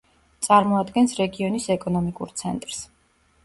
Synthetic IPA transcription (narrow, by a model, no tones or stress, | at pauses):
t̪sʼaɾmɔad̪ɡɛnsɾɛɡiɔnisɛkʼɔnɔmikʼṵɾt̪sʰɛnt̪ʼɾs